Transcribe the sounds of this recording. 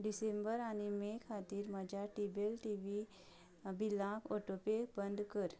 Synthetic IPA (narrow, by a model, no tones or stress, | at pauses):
ɖisẽmbəɾañimekʰat̪iːɾməd͡ʑʱjaʈibelʈiʋi | bilãpɔʈopekbənd̪ʱkəɾ